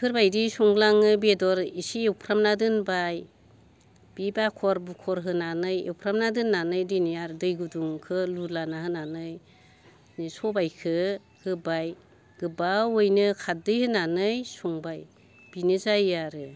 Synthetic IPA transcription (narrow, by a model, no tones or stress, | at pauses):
pʰɯɾbajdisuŋɡlaŋɯbedɔɾisiewpʰɾamnadɯnbaj | b̥ibakʰɔɾbukʰɔɾɦɯnanɯjḛwpʰɾamnadɯnːanɯjdɯnɯjaɾdɯjɡuduŋkʰɯlulanaɦɯnanɯj | nisɔbajkʰɯ | hɯbaj | ɡ̥ɯbawojnɯkʰadɯjhɯnanɯjsuŋbaj | b̥inɯzajaɾɯ